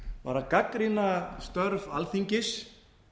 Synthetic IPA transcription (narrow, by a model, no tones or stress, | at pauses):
va̰ɾakakɾinast̪œɾvalθiɲcɪs